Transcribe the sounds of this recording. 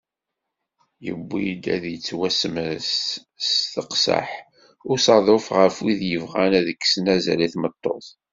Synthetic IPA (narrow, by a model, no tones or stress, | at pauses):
jə̰bːid̪æðjət͡sːwæsəməs | θəqsə̰ħ | ʊɾsɑðˤofʁəfwiðjəvʁænæðəkːsnæzæ̰liθmət̪ˤːoθ